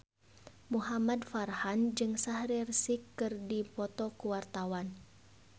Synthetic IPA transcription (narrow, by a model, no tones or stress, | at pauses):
muɦamadfarhand͡ʒɨŋsahɾirsikːɨrdipɔt̪ɔkuwart̪awan